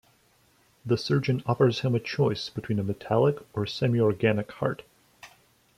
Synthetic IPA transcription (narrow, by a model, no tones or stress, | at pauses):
ðɨsɜ˞d͡ʒɨ̃nɔfə˞z̥hɨ̃mɨt͡ʃʰɔɪsb̥ɨtʰw̥ĩnəmɨtʰælˠəkə˞sɛmiɔɹɡænɨkhɑ̰ɹt